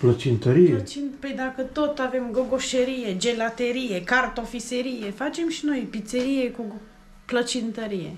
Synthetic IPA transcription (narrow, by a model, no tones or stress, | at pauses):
plət͡ʃint̪əɾijet͡ʃinped̪akət̪o̞t̪ave̞mɡoɡo̞ʃeɾije̞d͡ʒe̞lat̪e̞ɾije̞kart̪o̞fiseɾije̞fat͡ʃe̞mʃino̞jpit̪se̞ɾije̞ku | plət͡ʃint̪əɾijḛ